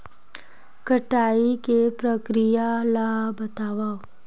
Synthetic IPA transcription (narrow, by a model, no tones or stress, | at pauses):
kəʈaːikepɾəkɾijalabət̪aːʋa